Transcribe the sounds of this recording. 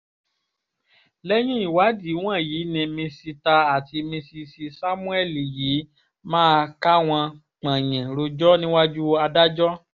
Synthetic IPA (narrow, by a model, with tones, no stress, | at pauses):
lɛ˦j̃ĩ˦i˦˨wa˨˦di˨˦w̃ã˦˨jiː˨˦nĩ˧mĩ˧si˧ta˧a˨ti˧mĩ˧si˧si˧sa˦mũ˦ɛ˦˨li˨jiː˨˦ | mãː˦˧ka˦w̃ã˧ | k͡pã˨j̃ɛ̃˨ɾo˧d͡ʒɔ˦nĩ˦wa˦d͡ʒu˦˧a˧da˦d͡ʒɔ˦